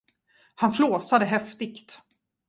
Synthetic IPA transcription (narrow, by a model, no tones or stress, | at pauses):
hanfloːsad̪əɦɛft̪ɪkt̪